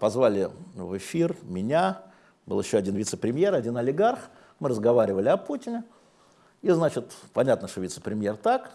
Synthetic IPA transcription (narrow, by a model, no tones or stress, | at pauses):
pɐzvalʲɪvɨfʲirmʲɪnʲa | bɨlˠjɪɕːoɐdʲinvʲɪt̪səpɾʲɪmʲje̞ɾɐdʲinɐlʲɪɡarx | mɨɾəzɡɐvaɾʲɪvəlʲɪɐputʲɪnʲɪ | iznat͡ɕɪt̪pɐnʲat̪nəʂt̪ovʲit̪sə̥pɾʲɪmʲje̞rt̪ak